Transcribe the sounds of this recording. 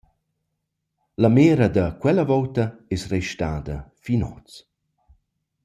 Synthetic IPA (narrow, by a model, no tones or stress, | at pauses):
lameːɾɐd̪ɐkwɛlɐvɔwtɐɛsrɛjʃtaːd̪ɐfinɔ̰t͡s